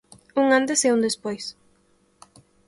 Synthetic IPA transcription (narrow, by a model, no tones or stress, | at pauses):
uŋant̪eseund̪espojs